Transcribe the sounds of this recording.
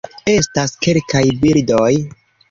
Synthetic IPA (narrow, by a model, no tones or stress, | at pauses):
e̞staske̞lkajbildoj